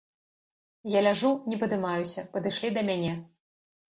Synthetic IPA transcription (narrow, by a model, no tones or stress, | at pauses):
jalʲaʐunʲɛpɐd̪ɨmajusʲɐpɐd̪ɨʂlʲid̪ɐmʲanʲɛ